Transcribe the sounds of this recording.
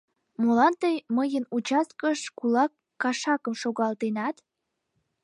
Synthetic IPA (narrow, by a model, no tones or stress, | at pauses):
molɑnt̪əjməjənut͡ɕɑs̚kəʃkulɑkːɑʃɑkəmʃoɣɑlt̪enɑt̪